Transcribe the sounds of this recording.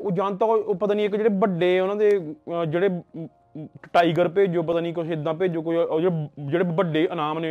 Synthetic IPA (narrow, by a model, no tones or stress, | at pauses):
oːd͡ʒaːnt̪aːpət̪ãːniːɪkd͡ʒeːɽeːbəɖeːʊnãːd̪eːd͡ʒeːɽeː | ʈaːiːɡəɾpeːd͡ʒoːp̬ət̪aːniːkosẽd̪ãːpeːd͡ʒoːkod͡ʒeːed͡ʒeːɽeːbəɖeːʔənaːmneː